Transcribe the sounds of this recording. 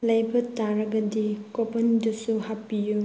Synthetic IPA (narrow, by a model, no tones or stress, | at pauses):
lɐjbɐtaɾɐɡɐdikopɐndusuhapːiju